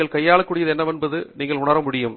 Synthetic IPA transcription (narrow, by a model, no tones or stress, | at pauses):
ɐɭkɐjːaːɭɐkːuːɽɪjɐðɯɛnːɐʋɛnbɐðɯniːŋɡɐɭʊɳɐɾɐmʊɽɪjɯm